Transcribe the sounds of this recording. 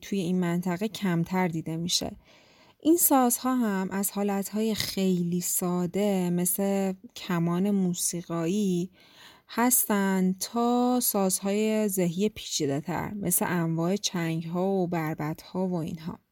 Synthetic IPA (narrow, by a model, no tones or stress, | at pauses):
t̪ʰuje̞inmænt̪ʰæɣecʰæmt̪ʰæɾd̪iːd̪e̞miʃḛ | ʔinsɒːz̥hɒːɦæmʔæz̥hɒːlæt̪hɒːje̞xe̞jliːsɒːd̪e̞me̞slecʰæmɒːne̞muːsiːɣɒːi | hæst̪ænd̪t̪ʰɒːsɒːz̥hɒːjezeɦijepʰiːt͡ʃʰid̪et̪ʰæ̰ɾmʔeslḛʔæɱvɒːe̞t͡ʃʰæŋɟɦɒːobæɾbæt̪hɒːvo̞ḭnɦɒ̰ː